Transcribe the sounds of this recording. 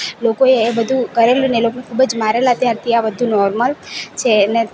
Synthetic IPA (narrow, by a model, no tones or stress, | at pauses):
lokoeːbəd̪ʱũkəɾelunelokonekʰubəd͡ʒmaɾelat̪jaɾt̪ʰiabəd̪ʱũnɔɾməlt͡ʃʰene